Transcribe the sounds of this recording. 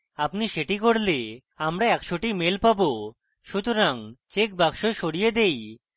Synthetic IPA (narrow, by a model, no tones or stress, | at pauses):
apniʃeʈikoɽle | amɾaɛkʃoʈimelpabo | ʃut̪oɾaŋt͡ɕek̚bakʃoʃoɽijed̪ej